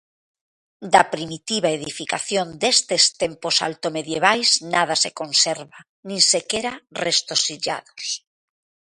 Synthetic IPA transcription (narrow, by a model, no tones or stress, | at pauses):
d̪apɾimit̪iβaeðifikaθjond̪est̪est̪emposa̰lt̪omeðjeβ̞ajznað̞asekonseɾβa | nĩŋsekeɾarest̪osiʎa̰ðos